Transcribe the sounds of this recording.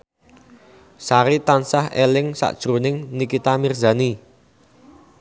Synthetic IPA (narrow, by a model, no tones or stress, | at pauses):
saɾit̪ansahelɪŋsa̰ʔd̥ʒ̥ɾonɪŋnikit̪amirza̤ni